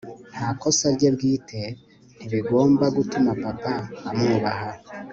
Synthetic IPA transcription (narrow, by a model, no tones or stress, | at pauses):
n̥hako̞saɾɟebɡiːtʰe̞ | niβiɡo̞ːmbaɡutumapapaːmuβaɦa